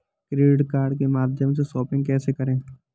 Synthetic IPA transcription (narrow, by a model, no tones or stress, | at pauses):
kɾeːɖɪɖkaːɾɖ̚kemaːd̪ʱjəmsesɔːpɪ̃ŋɡ̚kɛːsekɐɾẽː